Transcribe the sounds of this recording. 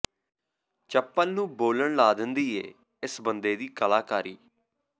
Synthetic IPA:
t͡ʃəpːənnũːboːləɳlaːd̪ənd̪iːḛː | ɪsbənd̪eːd̪iːkəlaːkaːɾiː

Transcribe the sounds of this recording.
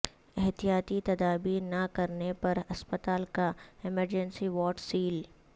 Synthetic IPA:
ɪɦt̪ijaːt̪it̪ɐd̪aːbiːɾnɐkɐɾnepɐɾɐspət̪aːlkaɪməɾd͡ʒɛ̃nsiʋɔːʈsiːl

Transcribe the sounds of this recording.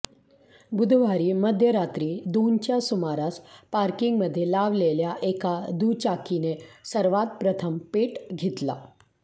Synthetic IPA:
bud̪ʱʋaɾiːməd̪ʱjəɾat̪ɾiːd̪ont͡ɕjasumaɾaspaɾkiŋɡməd̪ʱːjelaʋleljaʔekad̪ut͡ɕakinesəɾʋat̪̚pɾət̪ʰəmpeʈɡʱet̪la̰

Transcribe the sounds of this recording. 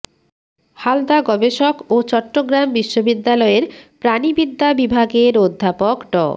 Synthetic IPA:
hald̪aɡɔbeʃokot͡ɕɔʈːoɡɾambiʃːobid̪ːalɔeɾpɾanibid̪ʱːabibʱaɡeɾod̪ʱːapokɖɔ̰

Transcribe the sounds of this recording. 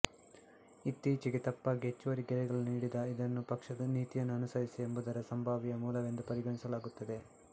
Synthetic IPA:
it̪ːiːt͡ʃiɡet̪ɐpːɐɡet͡ʃːʋɐɾiɡɛɾɛɡɐɭuniːɽid̪ɐid̪ɐnːupɐkʂɐd̪ɐniːt̪ijɐnːuɐnusɐɾisie̞mbud̪ɐɾɐsɐmbʱaːʋijɐmuːlɐʋe̞nd̪upɐɾiɡɐɳisɐlaːɡut̪ːɐd̪e̞

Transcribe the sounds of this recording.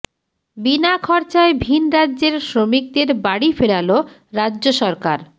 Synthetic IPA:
binakʰɔɾt͡ɕaebʱinɾadːʑeɾʃɾomik̚d̪eɾbaɽifeɽalo | ɾadːʑoʃɔɾkaɾ

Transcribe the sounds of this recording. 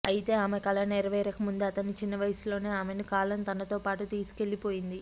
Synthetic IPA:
ɐjit̪e̞ːaːmekɐlɐneɾɐʋɐjɾɐkɐmund̪eɐt̪ɐnit͡ʃinːɐʋɐjsulo̞ːne̞ːaːmenikaːlɐnt̪ɐnɐt̪o̞ːpaːʈut̪iːsu̥ke̞lːipo̞ːjind̪i

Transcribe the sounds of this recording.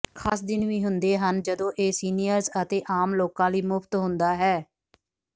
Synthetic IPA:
kʰaːsd̪ɪnʋĩːɦʊnd̪eːɦənd͡ʒəd̪õːʔeːsiːnijəɾzət̪eːʔaːmloːkãːliːmʊpʰt̪ɦʊnd̪aːɦɛː

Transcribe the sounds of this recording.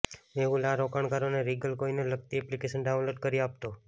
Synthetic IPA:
meulaɾɔkaɳ̃kaɾoneɾiɡəlkoinelək̚t̪iɛplikeʃənɖaw̃nloʈ̚kəɾiap̚t̪o

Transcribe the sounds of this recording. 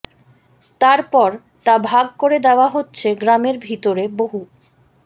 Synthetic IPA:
t̪aɾpɔɾ | t̪abʱaɡ̚koɾed̪eoaɦotːɕʰeɡɾameɾbʱit̪oɾeboɦu

